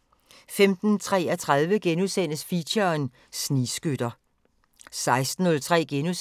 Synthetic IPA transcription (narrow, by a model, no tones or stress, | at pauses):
femd̥n̩t͡sʰʁɛ̰ːæt͡sʰʁað̞ˠʋəɡ̥enuðˠsen̰əsfiɕɐn | sniːsɡ̥ød̥ɐ | sɑ̈ɪsd̥n̩ːɔ̽lt͡sʰʁɛ̰ːɡ̥enu